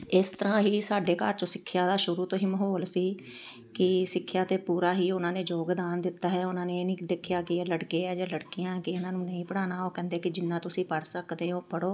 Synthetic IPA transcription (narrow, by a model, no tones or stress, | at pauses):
ɪst̪əɾãːɦiːsaːɖeːkəɾt͡ʃõːsɪkʰːjaːd̪aːʃʊɾuːt̪õːɦiːməɦoːlsiː | kɪsɪkʰːjaːt̪eːpuːɾaːɦiːʊnãːneːd͡ʒoːɡd̪aːnd̪ɪt̪ːaːɦɛːʊnãːnenĩːd̪ɪkʰjaːkɪeːləɽkeːɛːd͡ʒaːləɽkijãkɪʊnãːnũːnəĩːpəɽaːnaːoːkɛ̃ːnd̪eːkɪd͡ʒɪnːãːt̪ʊsĩːpəɽsəkd̪eːɦoːpəɽoː